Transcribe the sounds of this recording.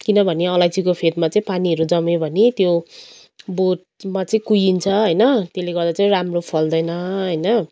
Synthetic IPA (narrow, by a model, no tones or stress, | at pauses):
kinʌbʱʌneʌlajd͡zikopʰed̪mat͡sʌĩpaniɦʌɾud͡zʌmebʱʌnit̪jo | bot̚ | mat͡sʌĩkujint͡sʰʌɦʌjnʌt̪eleɡʌrd̪at͡saĩɾamropʰʌld̪ʌjnʌɦʌjnʌ